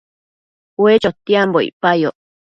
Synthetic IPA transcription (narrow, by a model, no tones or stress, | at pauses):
wet͡ʃot̪ːiamboḭpajoʔ